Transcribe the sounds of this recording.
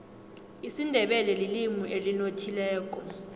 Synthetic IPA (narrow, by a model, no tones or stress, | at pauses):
isindʱɛɓɛlɛlilimuʔelinotʰilɛːk̬ʼɔ